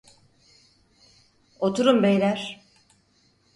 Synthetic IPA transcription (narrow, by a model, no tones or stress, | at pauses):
ot̪ʰuɾumbejlʲæɾ̥